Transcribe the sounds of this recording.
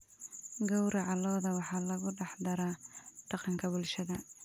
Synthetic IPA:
ɡɔwɾɐʕɑlɔːðɐwɑħɑːlɐɣʊɖɑħd̪ɐɾaɖ̥ɑqɑŋkʰɐbʊlʃɐðɐ

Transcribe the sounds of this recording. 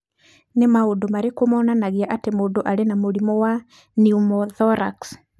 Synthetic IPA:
nemaodomaɾekomɔːnanaɣeaʔatemoːdoʔaɾenamoɾimɔwa | niumɔðɔɾa̰ks

